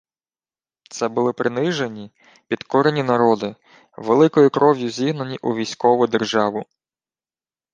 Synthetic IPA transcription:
t̪sɛbʊlˠɪpɾɪnɪʒenʲi | pʲid̪kɔɾenʲinɐɾɔd̪ɪ | ʋelˠɪkɔjʊkɾɔʋjʊzʲiɦnɐnʲiʔuʋʲijsʲkɔʋʊd̪erʒɑʋʊ

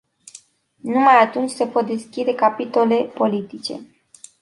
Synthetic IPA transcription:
numajat̪unt͡ʃʲse̞po̞t̪̚d̪e̞skʲid̪e̞kapit̪o̞le̞po̞lit̪it͡ʃe̞̰

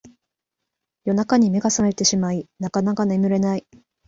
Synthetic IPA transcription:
jo̞nakaɲ̟ime̞ɡasame̞t̪e̞ɕimainakanakanemɯ̟ɾe̞nai

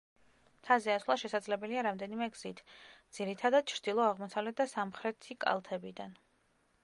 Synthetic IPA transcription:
mt̪ʰazɛasvlˠaʃɛsad̪zlɛbɛliaɾamd̪ɛnimɛɡz̥it̪ʰd̪z̥iɾit̪ʰad̪ad̪̥̚t͡ʃʰɾd̪̥ilˠɔaʁmɔsavlɛt̪̚d̪asamχɾɛt̪ʰikʼa̰lˠt̪ʰɛbid̪an

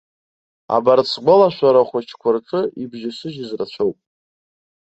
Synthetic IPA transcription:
a̰bart͡sʰɡʷalaʃʷaɾaχʷat͡ʃʰkʷʰarʈ͡ʂʼɨibʒasɨʒɪzrat͡ʃʷʰowpʼ

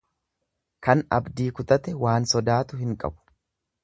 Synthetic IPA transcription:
kɐnɐ̰bd̪iːkʊt̪ʼɐt̪ɛwaːnsɔd̪aːt̪ʊhɪŋkʼɐ̰bʊ̥

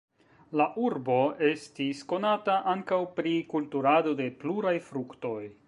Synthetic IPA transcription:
laʔuɾbo̞e̞stisko̞nataʔaŋkawpɾikultuɾado̞de̞pluɾajfɾukto̞j

